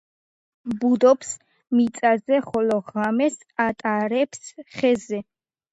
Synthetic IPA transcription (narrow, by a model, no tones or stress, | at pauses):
bud̪ɔps | mit̪sʼazɛχɔlɔʁamɛs | at̪ʼaɾɛpsχɛzɛ